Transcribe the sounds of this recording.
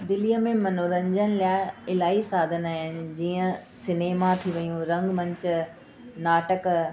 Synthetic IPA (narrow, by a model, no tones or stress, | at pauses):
d̪ɪlijəmẽmɐnoɾə̃ɲd͡ʑənɪ̆laːɪlaːisaːd̪ʱənaːɦɪnɪ̆d͡ʑiːə̃sɪneːmat̪ʰiʋɐjũɾɐ̃ŋɡmɐ̃ɲt͡ɕ | naːʈək